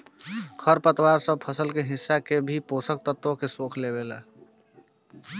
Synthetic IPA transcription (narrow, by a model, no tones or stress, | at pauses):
kʰəɾpət̪waːɾsə̃b̚pʰəsəlkeɦɪsːakebʱipoːsək̚t̪ət̪wõkesoːkʰlebeːla̰ː